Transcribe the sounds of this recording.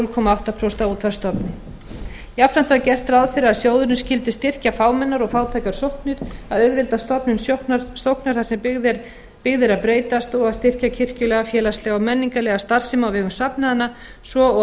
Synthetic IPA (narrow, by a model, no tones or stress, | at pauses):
lkʰɔːmaawft̪aðpʰɾowst̪auːt̪ʰfaɾ̥st̪ɔpnɪ | jafɾant̪ʰvacɛr̥t̪ɾaðfɪɾɪɾaðsjoːwðʏɾnɪscɪlt̪ɪst̪ɪr̥cafaːwmɛnːaɾɔɣfaːwt̪ʰajkaɾ̥sohpnʏɾ̥aðʏðvɪlt̪ast̪ɔpnʏnsnast̪owhknaɾ̥θaɾ̥sɛmðɾ | pɪɣðɪɾaðpɾeːjt̪ast̪ɔɣaðst̪ɪr̥cacʰɪr̥cʏlɛːɣafjɛːlaslɛɣawmɛnːiŋkalɛːɣast̪ar̥sɪmawvɛːɣʏmsapnaðanːa | svɔ